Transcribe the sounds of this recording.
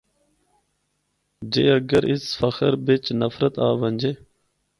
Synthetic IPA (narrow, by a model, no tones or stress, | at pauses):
d͡ʒeːəɡəɾɪsfəxəɾbet͡ʃnəfɾət̪aːʋənʲd͡ʒeː